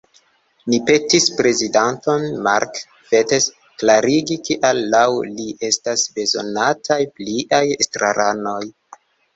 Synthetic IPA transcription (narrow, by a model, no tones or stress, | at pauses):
nipe̞tispɾe̞zidanto̞nma̰ɾk | petes | klaɾiɡikiʔalːawliʔe̞stasbe̞zo̞̰natʰajpliʔajestɾa̰ɾʔano̞j